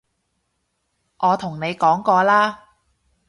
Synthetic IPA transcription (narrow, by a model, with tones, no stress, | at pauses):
ʔɔː˨˧t̪ʰʊ˨˩ŋne˨˧jkɔː˨˥ŋkɔː˧laː˥